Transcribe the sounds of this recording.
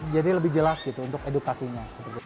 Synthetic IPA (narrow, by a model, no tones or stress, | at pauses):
d͡ʒadiləbɪhd͡ʒəlasɡit̪uːnt̪ʊkedukasiɲasəpərt̪i